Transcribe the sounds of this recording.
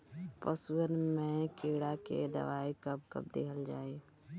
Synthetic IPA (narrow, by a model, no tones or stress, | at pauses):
pəsuənmẽkeɽakḛd̪ə̰ʋaːikəb̚kə̰b̚d̪eːkʰəld͡ʒaːe